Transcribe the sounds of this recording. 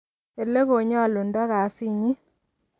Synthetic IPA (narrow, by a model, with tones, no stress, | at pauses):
e˨lːe˦ɣo˨ɲa˦˨lo˨nda˦ɣa˨˦si˦ɲi˦